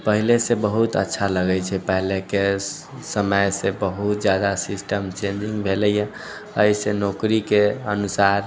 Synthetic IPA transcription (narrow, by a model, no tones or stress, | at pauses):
pəɦilesebəɦut̪ə̰tːʃʰaləɡɛjt͡ʃʰɛpəɦileke | səməjsẽbəɦut̪̚d͡ʒjad̪asisʈəmt͡ʃẽnd͡ʒĩŋɡbʱelɛja | əisenokɾikeənusaɾ